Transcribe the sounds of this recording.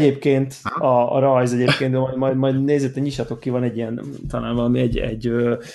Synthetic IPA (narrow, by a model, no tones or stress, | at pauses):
eːpkeːnt̪ɒ̰ɾɒjzɛɟeːp̚kenømɒj̪mɒjmɒjd̪neːzɛt̪ːɛnɲiʃɑt̪o̞kːivɒnɛɟːijɛnt̪ɒnaːlvɒlɒmiɛɟɛ̰ɟø